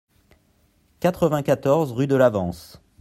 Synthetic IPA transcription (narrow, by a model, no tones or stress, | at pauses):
kat̪χəvɛ̃kat̪ɔʁzʁyd̪əlavɑ̃s